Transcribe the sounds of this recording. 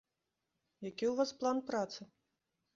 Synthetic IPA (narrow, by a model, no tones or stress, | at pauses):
jakʲiwvasplˠanpɾat̪sɨ